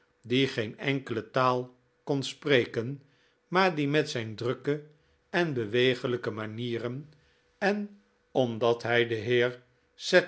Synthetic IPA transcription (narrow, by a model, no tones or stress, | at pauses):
diχejnɛŋkələtaːlˠ | kɔnsprejkən | maːɹdimɛtsɛjndrøkə | ɛnbəʋejχələkəmaniːrən | ɛn | ɔmdɑtɦɛjdəɦɪːɹ | sɛ